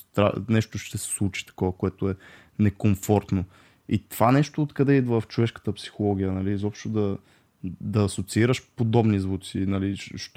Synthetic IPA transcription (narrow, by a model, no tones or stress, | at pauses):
t̪ɾa̰nɛʃt̪oʃt̪ɛsɛ̥slˠut͡ʃi̥t̪ɐ̥kɔvəkoɛt̪oɛ | nɛkomfɔɾt̪no | it̪ov̥anɛʃt̪oːt̪kɐd̪ɛid̪vəft͡ʃovɛʃkə̥t̪əpsi̥xolˠɔɡʲijənɐlizɔpʃt̪od̪ɐ | d̪ɐːsot̪siiɾəʃpod̪ɔbnizvut̪sinɐliʃʃt̪